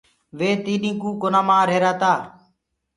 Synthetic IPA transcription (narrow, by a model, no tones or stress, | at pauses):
ʋeːt̪iːɗĩːkũːkonãːmãːɾeːɾaːt̪aː